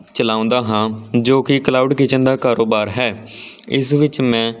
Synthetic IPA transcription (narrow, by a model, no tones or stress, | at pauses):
t͡ʃəlaːʊ̃nd̪aːɦãːd͡ʒoːkɪklaːuːɖkit͡ʃənd̪aːkaːɾoːbaːɾɦɛː | ɪsʋɪt͡ʃmɛ̃ː